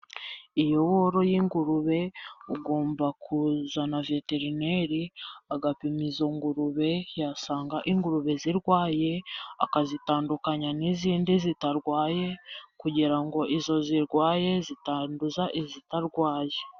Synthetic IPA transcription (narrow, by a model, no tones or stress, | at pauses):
ijo̞βo̞ɾo̞jiːŋɡuɾuβe̞uɡo̞ːmbakʰuzanave̞te̞ɾine̞ɾiaɡapimizoŋɡuɾuβe̞jasaːŋɡaʔiŋɡuɾuβe̞ziɾɡwaːje̞a̰kazitaːndukaɲaniziːndizitaɾɡwaːje̞kuɟiɾaŋɡo̞ʔizo̞ziɾɡwaːje̞zitaːnduzaʔizitaɾɡwaːje